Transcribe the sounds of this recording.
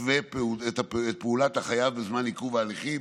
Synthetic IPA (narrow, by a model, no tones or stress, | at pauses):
vepeuet̪apeet̪̚peulat̪aχajavbezmanhikuvaːliχi